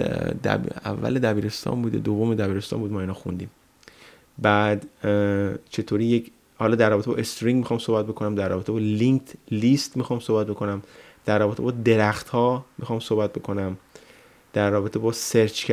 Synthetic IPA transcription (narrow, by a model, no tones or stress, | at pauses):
d̪æ̰æ̰vːæ̰led̪æbiːɾe̞st̪ʰɒ̰ːmbuːd̪ḛd̪ovomed̪æbiːɾe̞st̪ɒ̰ːmbuːd̪mɒːinɒːxṵnd̪iːm | bæd̪ | t͡ʃʰe̞t̪ʰoːɾiːjec | hɒːlɒːd̪æɾrːɒːbet̪ʰḛːʔest̪oɾiŋɡmixɒːmsohbæt̪̚be̞kʰonæmd̪æɾrɒːbe̞t̪ʰebɒːliŋkt̪ʰlist̪mixɒːmsohbæt̪̚bekʰo̞næm | d̪̥æɾrːɒːbe̞t̪ʰe̞bɒːd̪eɾæxt̪hɒːmixɒːmsohbæt̪̚be̞kʰo̞næm | d̪̥æɾːɒːbe̞t̪ʰebɒːseɾt͡ʃʰk